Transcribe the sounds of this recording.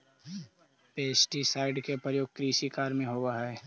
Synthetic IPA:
peːsʈisaːɪɖkepɾjoːɡ̚kɾiːʃikaːɾmẽɦoːɡaɦɛɛː

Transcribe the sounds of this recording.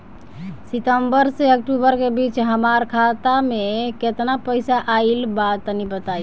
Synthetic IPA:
sit̪əmbəɾseək̚ʈubəɾkebit͡ʃɦəmaɾkʰat̪ameket̪napəɪsaʔailbat̪nibət̪aj

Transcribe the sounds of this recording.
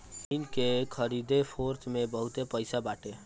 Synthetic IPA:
ɪnkekʰəɾiːd̪epʰoːɾt̪ʰmẽbəɦʊt̪epəɪsabaːʈeː

